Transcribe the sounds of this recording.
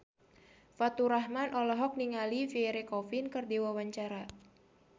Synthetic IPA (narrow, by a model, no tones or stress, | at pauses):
fat̪uɾaɦmanʔɔlɔɦɔk̚niŋalifiɛɾekɔfinkɨrdiwawaɲt͡ʃaɾa